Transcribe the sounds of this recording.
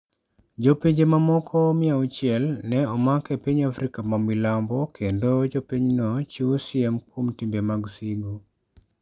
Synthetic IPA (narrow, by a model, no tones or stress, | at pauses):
d͡ʒopeɲd͡ʒemamɔkʰɔmiaut͡ʃjɛlnɛɔmakɛpiɲafɾikamamilambɔkʰendod͡ʒopiɲnɔt͡ʃiusiɛmkomtimbemaɡsiɡo